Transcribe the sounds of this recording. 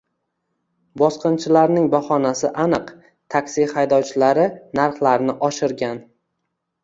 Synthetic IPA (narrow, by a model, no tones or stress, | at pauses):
bɒsqɨnt͡ʃʰɪlaɾnɪŋbaχɒnasɪʔanɨq | t̪ʰakʲsihajd̪ɒwt͡ʃʰɪlaɾɪnaɾχlˠaɾnɪʔɒʃɪɾɡʲan